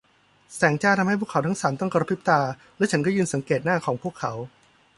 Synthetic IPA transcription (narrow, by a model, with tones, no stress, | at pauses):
sɛː˩˦ŋt͡ɕaː˥˩t̪ʰa˧ma˥˩jpʰu˥˩kʰːwt̪ʰa˦˥ŋsaː˩˦mt̪ɔ˥˩ŋka˧ɾa˧pʰi˦˥p̚t̪aː˧ | lɛː˦˥t͡ɕʰa˦˥nkɔː˥˩jɯː˧nsa˨˩˦ŋkeː˨˩t̪̚naː˥˩kʰɔː˩˦ŋpʰu˥˩əkʰːa˩˦w